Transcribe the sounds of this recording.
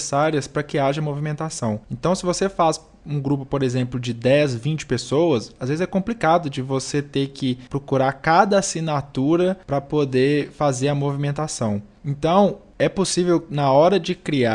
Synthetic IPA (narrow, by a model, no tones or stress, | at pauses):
saɾiɐspɾɐkɪaʒɐmovimẽnt̪asɐ̃w̃ẽnt̪ɐ̃w̃sɪvosefaz | ũɡɾupʊpoɾezẽmplʊd͡ʒɪd̪ɛzvĩt͡ʃɪ̥pesowɐsazvezɪzɛkõplikad̪ʊd͡ʒɪvoset̪ekɪpɾokuɾaɾkad̪ɐasinat̪uɾɐpɾɐpod̪efazeɾɐmovimẽnt̪asɐ̃w̃ẽnt̪ɐ̃w̃ | ɛposivewnɐɔɾɐd͡ʒɪkɾia